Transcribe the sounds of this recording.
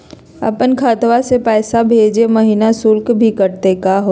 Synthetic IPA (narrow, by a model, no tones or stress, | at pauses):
ɐ̰pənkʰaːt̪wasepɛːsabʱeːd͡ʒemɐɦinasʊlkbʱikɐɾt̪ekaːɦoː